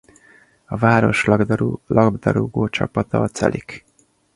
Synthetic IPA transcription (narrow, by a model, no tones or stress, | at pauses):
ɒvaːɾo̞ʃlɒɡd̪ɾulɒɡd̪ɒɾoɡoːt͡ʃɒpɒt̪ɒɒt̪sɛ̰lʔik